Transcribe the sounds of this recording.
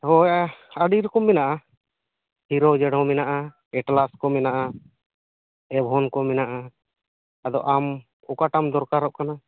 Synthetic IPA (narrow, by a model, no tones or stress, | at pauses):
hɔjaaɖiɾukɔmːɛnaʔa | hiɾɔd͡ʒɛɽɔ̃mɛnaʔa | ɛʈlaskɔmɛnaʔa | ɛbʱɔnkɔmɛnaʔa | ad̪ɔ̰ʔam | ukaʈamd̪ɔɾkaɾɔʔkana